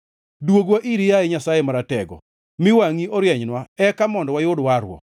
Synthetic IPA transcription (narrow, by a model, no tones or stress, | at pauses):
dwoɡwaʔiɾijaɛɲasajemaɾatɛɡɔ̰ | mɪwaŋiɔɾjɛɲnwaɛkamɔndɔwajʊdwaɾwɔ̰